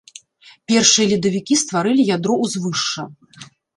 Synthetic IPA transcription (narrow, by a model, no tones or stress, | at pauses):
pʲɛrʂɨjɐlʲid̪ɐvʲikʲist̪vaɾɨlʲijad̪ɾɔwzvɨʂːɐ